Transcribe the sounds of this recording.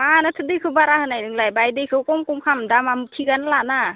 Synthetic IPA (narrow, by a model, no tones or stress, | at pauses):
manatʰɯdɯkʰɯbaɾahɯnajnɯŋlajbajdɯjkʰɯwkɔŋkumkʰamdamamtʰiɡanlana